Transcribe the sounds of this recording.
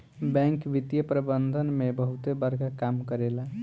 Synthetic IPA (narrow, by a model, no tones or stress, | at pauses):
bɛ̃ŋkʋit̪jəpɾəbənd̪ʱənmebəɦut̪ebəɾkakamkəɾela